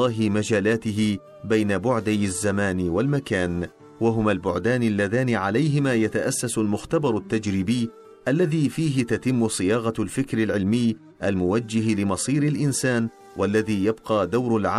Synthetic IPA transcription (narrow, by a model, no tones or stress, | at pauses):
ɑːɦɪmad͡ʒaːlaːt̪ɪɦɪ | bajnabʊʕd̪ajazːamaːnwalmakaːn | waɦʊmalbʊʕd̪aːnalːaðaːnɪʕalajɦɪmaːjat̪aʔasːasʊlmʊxt̪abɑɾˤat̪ːad͡ʒɾiːbɪjː | ʔalːaðiːfiːɦɪt̪at̪ɪmːʊsˤɨjɑːɣɑlfɪkɾɪlʕɪlmɪjː | ʔalmʊwad͡ʒːɪhlɪmɑsˤiːɾalʔɪnsaːn | wʔalːaðiːjab̚qɑːd̪awɾalʕa